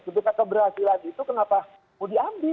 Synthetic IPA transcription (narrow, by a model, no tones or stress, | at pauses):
d͡ʒəpikakəbərɦasilaɡit̪ukənapa | mudiambɪ